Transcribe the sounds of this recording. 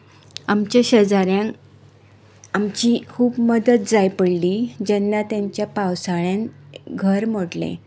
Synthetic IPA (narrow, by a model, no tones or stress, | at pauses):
amt͡ɕjaɕəd͡zaɾjãŋ | amt͡ɕikʰuːbməd̪ət̪̚d͡zajpəɽlid͡ʑɛnːat̪jaɲt͡ɕjapawsaɭjãnɡʱəɾm̤oɽlḛ̃